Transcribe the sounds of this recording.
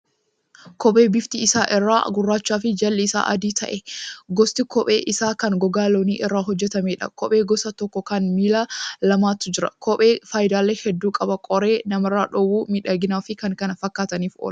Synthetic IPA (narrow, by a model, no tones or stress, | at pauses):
kɔpʼe̞ːbɪft̪iɪsaːʔɪrːa̰ːɡʊrːaːt͡ʃːaːfɪd͡ʒɐlːɛɪsa̰ːʔɐd̪iːt̪ʰɐ̰ʔɛɡɔst̪ɪkɔpʼe̞̰ːʔɪsaːkɐŋɡɔɡaːloːniːʔɛrːaːɦɔd͡ʒːɛt̪ɐmeːᶑɐ̰kɔpʼeːɡɔsɐt̪ɔkːɔkɐnmiːlaːlɐmaːt̪ːʊd͡ʒɪɾɐ̰kʰɔpʼeːfaːjɪd̪aːlːehɛd̪ːuːkʼɐbɐkʼɔɾe̞ːnɐmɐrːaːᶑɔwːuːmɪᶑɐɡɪnaːfɪkɐŋkɐnɐfɐkːaːt̪ɐniːfo̰ːlɐ